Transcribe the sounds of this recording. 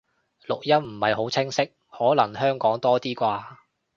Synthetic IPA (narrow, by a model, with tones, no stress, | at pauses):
lʊ˨k̚jɐ˥m̩˨˩hɐ˨jɦo˨˥wt͡sʰɪ˥ŋsɪ˥k̚hɔː˨˥lɐ˨˩ŋɦœː˥ŋkɔː˨˥ŋt̪ɔː˥t̪iː˥kʷaː˧